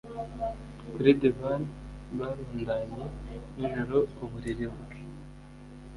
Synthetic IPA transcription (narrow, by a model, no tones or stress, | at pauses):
ɡɾedivanβaɾuːndaːɲeiʒoɾoːβuɾiɾiβui